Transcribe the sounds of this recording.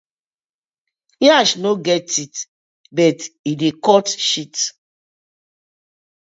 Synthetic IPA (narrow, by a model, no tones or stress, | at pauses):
jaʃnoɡɛtit | bɛtidekɔtʃit